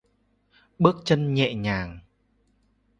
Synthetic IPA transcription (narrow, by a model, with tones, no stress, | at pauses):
ɓɨ˦˥ək̚t͡ɕə˧nɲɛ̰˧˨ɲaː˨˩ŋ